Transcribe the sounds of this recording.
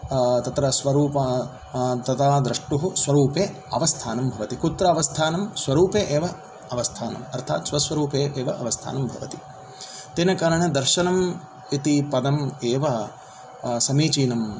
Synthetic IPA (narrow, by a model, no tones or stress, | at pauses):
t̪ɐt̪ɾɐsʋɐɾuːpɐ | t̪ɐt̪aːd̪ɾɐʂʈuɦusʋɐɾuːpeː | ɐʋɐst̪ʰaːnɐmbʱɐʋɐt̪ikut̪ɾɐɐʋɐst̪ʰaːnɐmsʋɐɾuːpeːʔeːʋɐ | ɐʋɐst̪ʰaːnɐ̰mɐɾt̪ʰa̰ːt̪ʃʋɐsʋɐɾuːpeːʔeːʋɐʔɐʋɐst̪ʰa̰ːnɐmbʱɐ̰ʋɐt̪i | t̪enɐkaːɾɐɳed̪ɐɾʃɐnɐm | it̪ipɐd̪ɐmeːʋɐ | sɐmiːt͡ʃiːnɐm